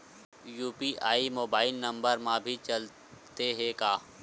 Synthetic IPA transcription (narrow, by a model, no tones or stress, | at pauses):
juːpiʔaːimoːbaːɪlnɐ̃mbəɾmãbʱit͡ʃɐl | t̪eɦekaː